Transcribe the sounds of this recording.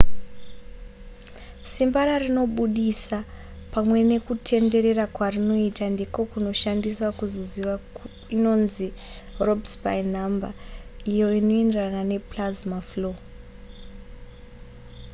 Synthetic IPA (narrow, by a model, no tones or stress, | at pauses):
simbaɾarino̞ɓuɗisa | pamwe̞ne̞kutʰe̞nde̞ɾe̞rakwarino̞itandeko̞kuno̞ʃandiswakuzo̞ziʋa | ino̞nziro̞bspa̰in̤ambaijo̞ino̞enderanane̞plazmaflo̞